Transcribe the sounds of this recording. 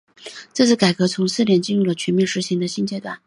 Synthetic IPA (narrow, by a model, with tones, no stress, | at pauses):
ʈ͡ʂɤ˥˧t͡sʰɹ̩˥˩ka˨˩ɪkɤ˧˥t͡sʰʊ˧˥ŋsɹ̩˥˩˧ljɛ˧˩nt͡ɕi˥˧nɻu˥˩lə˩t͡ɕʰɛ˧˥nmjɛ˥˩nʂɻ̩˧˥ɕi˧˥ŋd̪ə˧ɕi˥˧nt͡ɕjɛ˥˧t̪wa̰˥˩n